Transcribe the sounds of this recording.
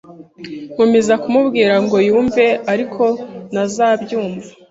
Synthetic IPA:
mumezakumubɡiːɾaŋɡo̞juːɱve̞aɾikʰo̞nazaːbjuːɱvḁ

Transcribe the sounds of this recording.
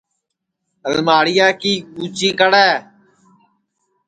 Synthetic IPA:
ɦəlmaːɽɪjaːkiːɓuːt͡ʃĩːkəɽɛː

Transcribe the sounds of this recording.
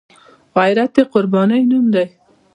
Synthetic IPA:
ʁajɾat̪eqʊɾbɑnəjnumd̪aj

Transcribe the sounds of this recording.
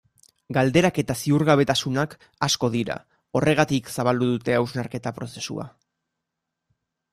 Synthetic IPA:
ɡald̪e̞ɾake̞t̪asiuɾɣaβ̞e̞t̪asunak | asko̞ðiɾa̰ | o̞re̞ɣ̞at̪iksaβald̪uðut̪e̞awznaɾke̞t̪apɾo̞se̞sṵa̰

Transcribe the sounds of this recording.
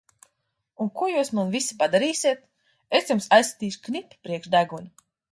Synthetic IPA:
unkuɔjuːsmanvisi̥pad̪aɾiːsʲiɛt̪̚ | esjumsajsːḁt̪iːʃknipːpɾiɛkʃd̪æɡunʲ

